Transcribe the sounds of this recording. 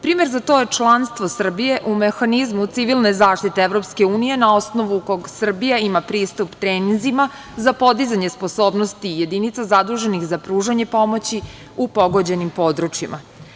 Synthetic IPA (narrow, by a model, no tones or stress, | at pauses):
pɾiːmeɾzat̪o̞je̞t͡ʃlˠanst̪ʋo̞sr̩bije̞ʔumexanizmut̪siʋilˠnezaːʃt̪it̪eeʋɾo̞pske̞uːnije̞nao̞sno̞ʋuko̞ɡsr̩bijaimapɾiːst̪upt̪ɾeːninzima | zapo̞d̪izaɲespo̞so̞ːbnost̪ije̞d̪init̪sazad̪ɾuʒe̞nixzapɾuːʒaɲe̞po̞mo̞t͡ɕi | upo̞ɡo̞d͡ʑe̞nimpo̞ːd̪ɾut͡ʃjḭmʔa̰